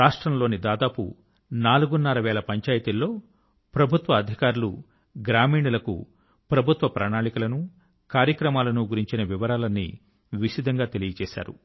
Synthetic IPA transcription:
ɾaːʂʈɾɐmlo̞ːnid̪aːd̪aːpṵ | naːluɡunːɐɾɐʋɛːlɐpɐɲt͡ʃaːjɐt̪ilːo̞ː | pɾɐbʱut̪ʋɐːd̪ʱikaːɾulṵ | ɡɾaːmiːɳɐlɐkṵ | pɾɐbʱut̪ʋɐpɾaːɳaːɳikɐlɐnu | kaːɾjɐkɾɐmaːlɐnuɡuɾiɲt͡ʃinɐʋiʋɐɾaːlɐnːḭ | ʋiʃid̪ʱɐŋɡaːt̪elijɐt͡ʃɛːʃa̰ːɾṵ

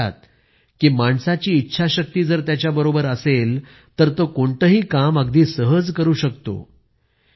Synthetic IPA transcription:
a̰t̪̚ | kiːmaɳsat͡ɕiːtːɕʰaɕək̚t̪iːd͡zəɾt̪jat͡ɕjabəɾobəɾəsel | t̪əɾt̪okoɳt̪əɦiːkaməɡd̪iːsəɦəd͡zkəɾuːɕəkt̪o̰

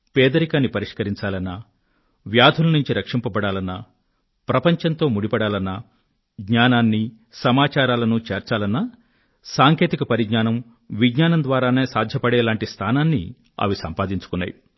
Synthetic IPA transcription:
pɛːd̪ɐɾikaːnːipɐɾiʂkɐɾiɲt͡ʃaːlɐnːɐ | ʋjaːd̪ʱulɐnuɲt͡ʃiɾɐkʂimpɐbɐɽaːlɐnːɐ | pɾɐpɐɲt͡ʃɐnt̪o̞ːmuɽipɐɽaːlɐnːɐ | ɡɲaːnaːnːi | sɐmaːt͡ʃaːɾaːlɐnut͡ʃeːɾt͡ʃaːlɐnːɐ | saːŋkeːt̪ikɐpɐɾiɡɲaːnɐm | ʋiɡɲaːnɐnd̪ʋaːɾaːne̞ːsaːd̪ʱjɐpɐɽɛːlaːɳʈist̪ʰaːnaːnːḭ | ɐ̰ʋisɐmpaːd̪iɲt͡ʃu̥kunːa̰ːju

